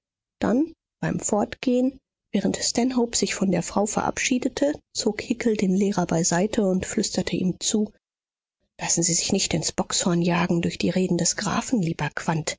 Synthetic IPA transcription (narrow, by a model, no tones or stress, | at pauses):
d̥an | b̥aɪmfɔɐtɡ̥eːən | vɛːʁ̞əntstɛnɦoʊpz̥ɪçfɔndeːɐfʁ̥aʊfɛɐʔa̰pʃiːdətʰət͡soːkhɪkl̩deːnlɛːʁɐbaɪzaɪtʰəʊntflʏstɐtʰəʔḭːmt͡suː | lasn̩ziːzɪçnɪçtɪnsb̥ɔkshɔɐnjaːɡŋ̩dʊɐçd̥iːʁeːdn̩dɛsɡ̥ʁa̰ːfn̩liːbɐkv̥ant